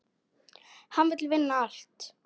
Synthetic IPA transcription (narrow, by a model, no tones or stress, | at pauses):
hanvɪt̪lvɪnːaal̥t̪